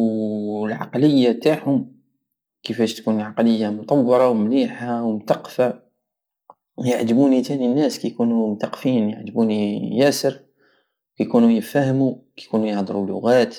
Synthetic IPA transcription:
wlʕɑ̰qləjːat̪aʕhʊm | kəfæʃt̪kunʕɑqləjːamʊt̪ˤɑwːɑɾˤɑwmliħawmt̪ɑqːfa | jaʕd̪əbunit̪æninːæskæjkunumt̪ɑqfiːnja̰ʕd̪əbunijæsəɾ | wkæjkunujəfæhmukæjkunujəhd̪ˤəɾulːʊ̰ɣæt̪

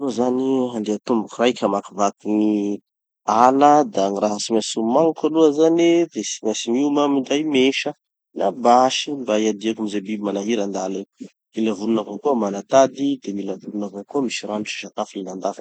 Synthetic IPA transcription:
uzaniɦand̪eat̪umbukurajkʰʲəmakivat̪iŋi | aləd̪aŋiraɦasimasumaŋukaluazanid̪esimasimiumamiɳɖ͡ʐajmeʃə | nabaʃimbaiad̪iakumizebibimanaɦiɾand̪ale | milavulunavakuəmanat̪ad̪id̪emilavulunavankuəmiʃiranut͡ʃi̥ʃat̪afuninand̪af

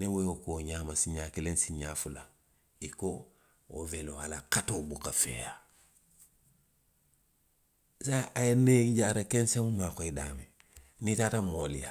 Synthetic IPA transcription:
nĩweokoːɲaːmasiɲaːkelẽnsiɲaːfula | iko | oveloalakatoːbukafḛːja | saajeneɟaɾakẽnsẽŋumakoidaːmẽ | nitaːtamolḭja

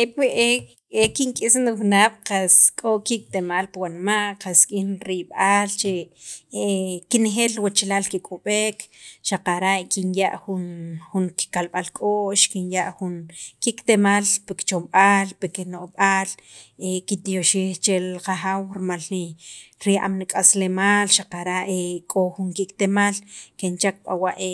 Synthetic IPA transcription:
epʔe | ekiŋkʼisniwnaɓ̥qaskʼokik̚t̪emalpawanmaʔqaskʼinɾiɓaːlt͡ʃeekinxelwat͡ʃlalkikʼoɓekʃaqaɾaʔkinja̰ʔxunxuŋki̥kalɓalkʼoʔʃkinjaʔxunkikʼt̪emalpekt͡ʃomɓalpekenoʔɓalekit̪joʃiːxt͡ʃelqaxawɾimaliɾiʔa̰mnikʼaslemaːlʃaqaɾaʔekʼoxuŋkikt̪emalkent͡ʃak̚ɓa̰waʔe

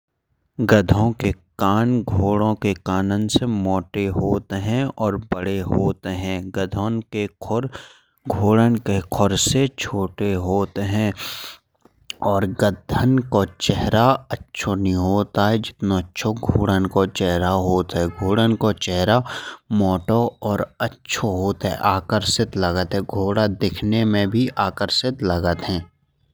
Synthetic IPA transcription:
ɡəd̪ʱõkekaːnɡʱoːɽõkekaːnənsemɔːʈeɦoːt̪ɦɛ̃ɔːɾbəɽeɦoːt̪eɦɛ̃ːɡəd̪ʱonkekʰʊɾ | ɡʱoːɽənkekʰɔɾset͡ʃʰoːʈeɦoːt̪ɦɛ̃ | ɔːɾɡəd̪ʱənkot͡ʃɛɦɾaətːʃʰonɐɦĩɦoːt̪aɦɛd͡ʒɪt̪noətːʃʰoɡʱoːɽənkot͡ʃɛɦɾaɦoːt̪ɦɛɡʱoːɽənkot͡ʃɛɦɾamoːʈoɔːɾətːʃʰoɦoːt̪ɦɛ̰ʔaːkəɾsɪt̪ləɡət̪ɦɛ̃ɡʱoːɽad̪ekʰnemẽbʱiʔaːkəɾsɪt̪ləɡət̪ɦɛ̃ː

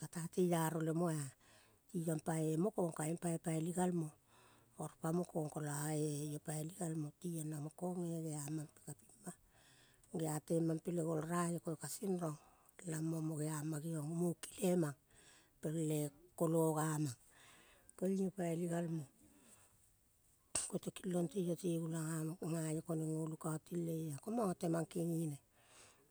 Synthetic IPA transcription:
katatejaɾole̞moa | tiampaemo̞ko̞ŋkaempajopaeliɡalmo | oɾpamokoŋkolaejopaeliɡalmotianamoko̞ŋeɡe̞amampe̥kapima | ɡeate̞mampeleɡolɾajekoekasinɾoŋ | lamomoɡeamaɡioŋmuki̥lemaŋ | peɾlekoloɡamaŋ | koiŋiopaeliɡalmo | kotekilːontiotiɡulaŋajoko̞neŋolukaotilːe̞akomaŋote̞maŋkiŋine

